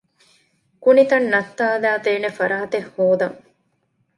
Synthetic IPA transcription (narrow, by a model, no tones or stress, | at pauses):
kunit̪ɐnːɐt̪ːaːlaːt̪eːnefɐɾaːt̪ehhoːd̪ɐŋ